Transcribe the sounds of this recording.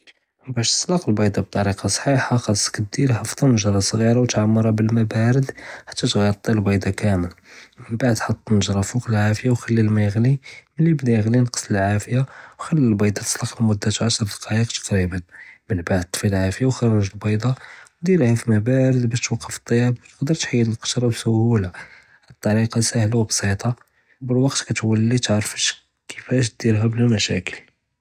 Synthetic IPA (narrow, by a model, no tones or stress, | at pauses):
bæʃt̪ə̥slɑqəlbɑjd̪ˤɑb̚t̪ˤːɑɾiqɑsˤħiħaxɑsə̥kəd̪ilħɑfd̪ˤɑnəʒɾˤɑsˤɣiɾawt̪ʕamːɑɾˤɑbəlmæbæɾəd̪ħḁt̪ːæt̪ɣæjt̪ˤːilbɑjd̪ˤɑkæməlmənbaʕd̪ħɑt̪ˤːnəʒɾˤɑfuqəlʕafəjawxælːilmæjɣliməlːibd̪æjəɣlinqə̥sˤləlʕafəjawxælːilbɑjd̪ˤɑt̪ə̥sˤlɑqəlmud̪ːat̪ʕaʃɾˤd̪ɑqɑjiqt̪ɑ̥qɾibənbəlbaʕd̪̚t̪ˤːfilʕafəjawxɑrˤːɑʒəlbɑjd̪ˤɑwd̪iɾhækmæbæɾəd̪bæʃt̪wɑqːəfə̥t̪ˤːɑjæbt̪ə̥qd̪əɾt̪ħəjːələlqə̥ʃɾˤɑbsʊhula | ət̪ˤːɑɾiqɑsæhlawbsˤit̪ˤɑ | bəlwɑqt̪kæt̪wəlːit̪ʕɾfəʃ | kʰəfæʃ̬t̪̚d̪iɾɦæblæmæʃæ̰kəl